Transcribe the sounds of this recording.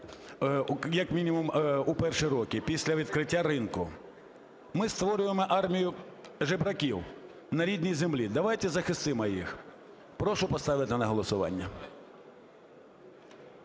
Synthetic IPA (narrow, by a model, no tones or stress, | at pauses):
jɐkmʲinʲimʊmupɛrʃiɾɔkʲɪpʲisʲlʲɐʋʲid̪̚kɾɪtʲːaɾɪnkʊ | mɪst̪ʋɔɾʲʊjemɔʔɑrmʲijʊʒɪbɾɐkʲiw | nɐɾʲid̪ʲnʲijzemlʲid̪ɐʋɑjt̪ɛzɐxɪst̪ɪmɔjix | pɾɔʃʊpɔst̪ɑʋɪt̪ɪnɐɦɔlˠɔsʊʋɑ̰nʲːɐ